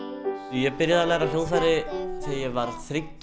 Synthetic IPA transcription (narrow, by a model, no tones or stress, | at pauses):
jɛpɪɾjaðalɛːɣɾaljownθaɾɪθɛjɛvaɾθɾɪ